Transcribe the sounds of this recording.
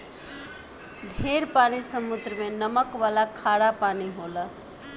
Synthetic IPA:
dʱeɾpanisəmud̪ɾəmenəməkʋalakʰaɽapaniɦolə

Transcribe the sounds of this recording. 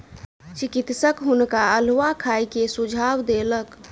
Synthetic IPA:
t͡ʃikit̪səkɦʊnkaəlʋakʰajkesud͡ʒʱawd̪elək

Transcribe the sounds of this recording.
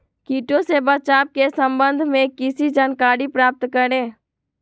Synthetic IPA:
kiːʈõsebət͡ʃaːp̚kesə̃mbə̃nd̪ʱmẽkɪsid͡ʒaːnkaːɾipɾaːp̚t̪kəɾẽː

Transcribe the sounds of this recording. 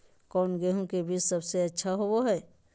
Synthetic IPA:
kɔːnɡɛɦõkebʱiːt͡ʃsɐbseɐtːʃʰaɦooɦɛː

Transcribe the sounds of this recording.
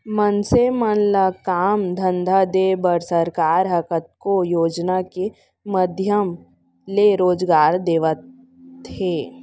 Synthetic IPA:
mənsemənləkaːmd̪ʱə̃nd̪ʱad̪eːbəɾsəɾkaːɾɦəkət̪̚kojoːd͡ʒnake | məd̪ʱjəm | leɾoːd͡ʒɡaːɾd̪eːʋət̪ | ɦeː

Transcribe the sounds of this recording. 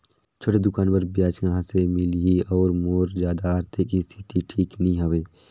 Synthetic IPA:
t͡ʃʰoːʈed̪ʊkaːnbəɾbjaːt͡ʃɡaɦãsemɪliiɔːɾmoːɾd͡ʒjaːd̪aaːɾt̪ʰekist̪ʰit̪iʈʰiːknɐɦĩɦəʋeː

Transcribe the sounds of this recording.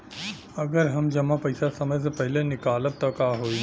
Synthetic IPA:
ɐɡəɾɦɐmd͡ʒɐmãpɐɪsasɐməjsepɐɦɪlenɪkaːlət̪̚t̪ɐkaːɦoːi

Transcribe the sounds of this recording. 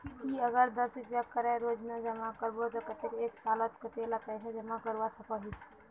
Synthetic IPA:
kiɐɡəɾd̪əsɾʊpjakəɾẽɾoːd͡ʒmẽd͡ʒɐmakəɾbot̪okət̪ekeːksaːlət̪kət̪eːlapɛːsʰed͡ʒɐmakəɾʋasɐkaɦis

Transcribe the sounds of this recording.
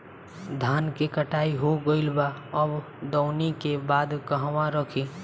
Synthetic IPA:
d̪ʱaːnkekəʈaːiɦoɡəɪlbaəb | d̪ɔʊnikebaːd̪kəɦʋãɾəkʰiː

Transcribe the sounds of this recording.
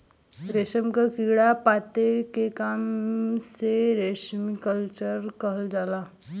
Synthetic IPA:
ɾeɕəmkəkiɡɽapat̪ekekamseɾeɕmikəlt͡ɕəɾkəɦəld͡zala

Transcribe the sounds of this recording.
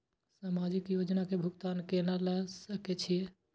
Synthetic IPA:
samad͡ʒikjod͡ʒnakebʱuɡt̪aːnkenalɛsəket͡ʃʰije

